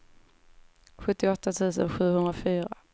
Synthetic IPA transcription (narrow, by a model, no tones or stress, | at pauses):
ɧɵt̪ːɪɔt̪ːat̪ʰʉ̟ːsə̰nɧʉ̟ːhɵnd̪ɾafyːɾa